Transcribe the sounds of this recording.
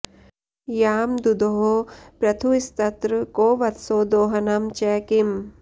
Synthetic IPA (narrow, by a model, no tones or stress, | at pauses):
jaːmd̪ud̪oɦopɾɐt̪ʰuist̪ɐt̪ɾɨkoːʋɐt̪soːd̪oːɦɐnɐmt͡ʃɛːkim